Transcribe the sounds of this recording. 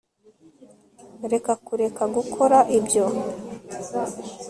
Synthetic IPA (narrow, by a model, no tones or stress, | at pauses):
ɾe̞kakuɾe̞kaɡukʰo̞ɾaʔibjo̞